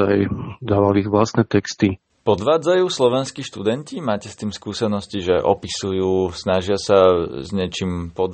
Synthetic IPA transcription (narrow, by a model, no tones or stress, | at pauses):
a̰jd̪aːʋaliɣʋlast̪nɛt̪ɛkst̪i | pɔd̪ʋaːd͡zajuːslɔʋɛnskiʃt̪ud̪ɛncimaːcɛst̪iːmskuːsɛnɔsciʒɛʔɔ̰pisujuːsnaʒɪasazɲɛt͡ʃimpɔd̪